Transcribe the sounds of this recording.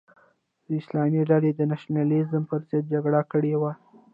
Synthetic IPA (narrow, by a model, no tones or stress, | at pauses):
d̪̥əɪslɑmiɖaled̪ənaʃnalizəmpəɾzət̪̚d͡ʒaɡɽakəɽewa